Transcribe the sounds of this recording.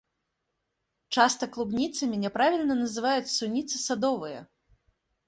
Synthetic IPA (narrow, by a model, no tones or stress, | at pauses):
t͡ʂast̪ɐklˠubnʲit̪sɐmʲinʲɛpɾavʲilʲnɐnɐzɨvajut͡sʲsunʲit̪sɨsad̪ɔvɨjɐ̰